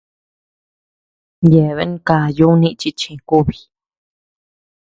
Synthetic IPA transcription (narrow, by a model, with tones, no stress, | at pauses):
je˨βe˧˦ñ˦ka˧˨ju˦nĩ˦˧ʔt͡ʃi˧t͡ʃĩ˧ku˦βi̥˧